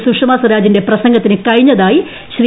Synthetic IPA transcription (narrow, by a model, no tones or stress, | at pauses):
sukʂɐmaːsɐɾaːd͡ʑinde̞prɐsɐŋɡɐt̪ːinɨkɐɻiɲːɐðaːji | ɕri